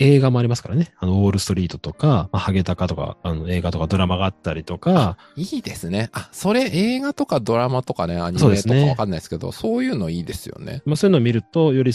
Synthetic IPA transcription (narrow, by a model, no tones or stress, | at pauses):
e̞ːɡamo̞aɾʲimasɨ̥ka̰ɾane̞ano̞oːɾɯ̟sɨ̥t̪o̞ɾʲiːt̪o̞t̪o̞kamahaɡe̞t̪akat̪o̞ka̰ano̞e̞ːɡat̪o̞kad̪o̞ɾamaɡaːt̪ːaɾʲit̪o̞kaa | iːd̪e̞sɨne̞aso̞ɾe̞ʔeːɡat̪o̞kad̪o̞ɾamat̪o̞kane̞a̰ɲisioːd̪estɨonekaβaakanːai̥sɨ̥ke̞d̪o̰so̞ːjɯ̟ːno̞iːd̪e̞sɨjo̞̰ne̞̰masoːjɯ̟noːmʲiɾɯ̟t̪o̞jo̞ɾʲi